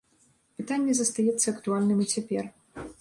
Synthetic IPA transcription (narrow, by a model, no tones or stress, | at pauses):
pɨt̪anʲːɛzɐst̪ajɛt̪sːɐɐkt̪ualʲnɨmit͡sʲɛpʲɛr